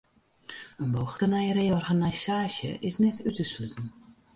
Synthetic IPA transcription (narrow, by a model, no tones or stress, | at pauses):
ənboxtənɛjəɾeɔrɣanasaːsjə̰ʔɪsnɛtʰytəslytn̩